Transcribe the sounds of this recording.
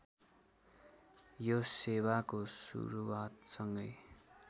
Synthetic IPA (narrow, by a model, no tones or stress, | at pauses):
josewakosṵɾuwat̪sʌŋɡʌj